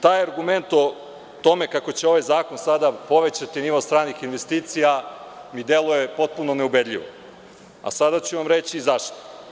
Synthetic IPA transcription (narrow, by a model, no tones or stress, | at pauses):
t̪aːjaɾɡume̞nt̪o | t̪o̞me̞kako̞t͡ɕeo̞ʋajzaːko̞nsad̪apo̞ʋe̞t͡ɕat̪iniʋost̪ɾaːnixinʋest̪iːt̪sijamid̪e̞lˠuje̞po̞t̪̚puno̞ne̞ube̞d̪ʎʲiʋo̰ | a̰sad̪at͡ɕuʋamɾet͡ɕiːzaʃt̪o